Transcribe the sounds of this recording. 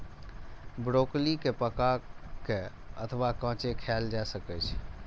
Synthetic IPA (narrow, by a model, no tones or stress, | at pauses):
bɾoklikepəkakeə̰t̪ʰʋakə̃ːt͡ʃekʰɛld͡ʒasəkɛt͡ʃʰ